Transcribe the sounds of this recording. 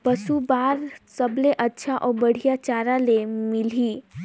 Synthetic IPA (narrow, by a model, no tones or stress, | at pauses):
pəsubaːɾsɐbleʔɐtːʃʰaʔɔːɾbɐɽ̤ijat͡ʃaːɾãlemɪliː